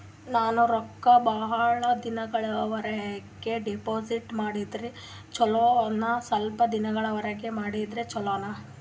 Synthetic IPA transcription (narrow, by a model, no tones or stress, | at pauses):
naːnuɾɔkːɐbɐɦɐɭɐd̪inɐɡɐɭɐʋɐɾɐɦɡeɖepoːsiʈmaːɽid̪ɾi | t͡ʃɔloːɐnːɐsɐlpɐd̪inɐɡɐɭɐʋɐɾɐɡe̞maːɽid̪ɾet͡ʃɔloːnɐ